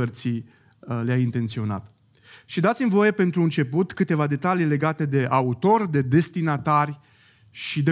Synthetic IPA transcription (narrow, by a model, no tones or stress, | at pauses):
ərt̪si | leaint̪e̞nt̪sio̞na̰t̪ | ʃid̪at̪sʲimvo̞je̞pe̞nt̪ɾuɨnt͡ʃe̞put̪kɨt̪e̞vad̪e̞t̪alijle̞ɡat̪e̞d̪e̞ʔaut̪o̞rʲd̪e̞d̪e̞st̪inat̪arʲ | ʃid̪e